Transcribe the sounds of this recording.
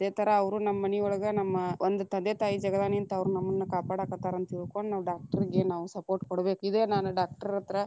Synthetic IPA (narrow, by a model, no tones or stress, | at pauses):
ɐd̪eːt̪ʰɐɾɐːʋɐɾunɐmːɐːɐniɔɭɐɡɐnɐmːɐond̪ut̪ɐnd̪et̪aːjid͡ʒɐɡɐd̪aːnijɐnt̪ɐːʋɐɾunɐmːɐnːukaːpaːɽaːkɐt̪ːaːɾɐnt̪ɐilkoɳnaːʋɐɖaːk̚ʈɐɾiɡenaːʋusɐpoːɾʈkɔɽɐbe̞ːkuid̪e̞ːnaːnuɖaːk̚ʈɐɾiɾɐt̪ɐɾɐ